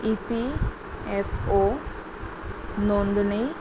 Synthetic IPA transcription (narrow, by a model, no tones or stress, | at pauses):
ipi | eso | noɳɖnej